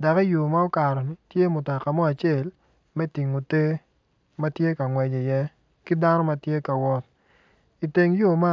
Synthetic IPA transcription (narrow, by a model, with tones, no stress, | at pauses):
da˨ka˦jo˨ma˦ɔ˦ka˨ɾɔ˨ni˨tje˦mʊ˨ta˨ka˨mɔ˦a˨t͡ʃe˦˨l | mɛ˦ti˨ŋo˨te˦ | ma˦tje˦ka˨ŋwɛ˨d͡ʒɛ˨jɛ˦ | kɪ˦da˦nɔ˦ma˦tje˦ka˨wɔ˦t̚ | i˨te˨ŋjo˦˨ma˦